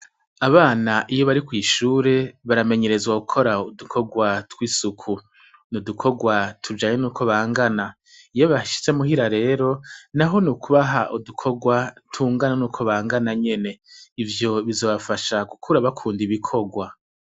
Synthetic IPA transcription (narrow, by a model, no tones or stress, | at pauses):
aβaːnaʔijo̞βaɾikwiːʃuːɾe̞βaɾame̞ɲe̞ɾe̞zwaɡukʰo̞ɾaudukʰo̞ɡwatwiːsukʰu | nudukʰo̞ɡwatʰud͡ʒaːɲenuːkʰo̞βaːŋɡana | ijoβaʃi̥t͡se̞muhiɾaɾe̞ːɾo̞naɦo̞nukuβaɦaʔudukʰo̞ɡwatʰuːŋɡananuːkʰo̞βaːŋɡanaɲe̞ne̞ivjo̞βizoβafaʃaɡukʰuɾaβakʰuːndiβikʰo̞ɡwa